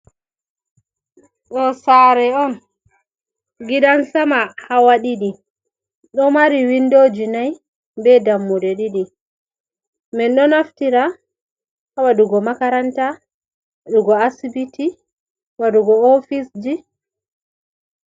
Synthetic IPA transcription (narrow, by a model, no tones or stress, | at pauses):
ɗɔsaɾɛɔn | ɡiɗansamahawaɗiɗi | ɗɔmaɾiwindod͡ʒinaj | bɛdamːudɛɗiɗi | mɛnɗɔnaftiɾa | hawaduɡɔmakaɾanta | ɗuɡɔasibiti | waduɡɔofisd͡ʒi